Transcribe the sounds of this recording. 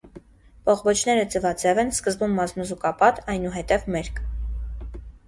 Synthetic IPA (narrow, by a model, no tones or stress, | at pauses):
pʰɔχbɔt͡ʃʰnɛɾət͡səvɑt͡sɛvɛnskəzbumːɑznuzukɑpɑt̪ɑjnuɦɛt̪ɛvmɛɾkʰ